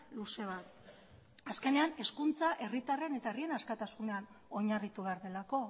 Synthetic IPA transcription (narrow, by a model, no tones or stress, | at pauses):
luse̞β̞at̪ | aske̞ne̞ane̞skunt͡saʔe̞rit̪arene̞t̪aerie̞naskat̪asune̞an | o̞ɲarit̪uβe̞aɾðe̞lako̞